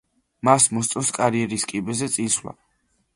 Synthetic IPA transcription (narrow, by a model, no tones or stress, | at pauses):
masmɔst̪sʼɔskʼaɾiɛɾiskʼibɛzɛt̪sʼinslˠa̰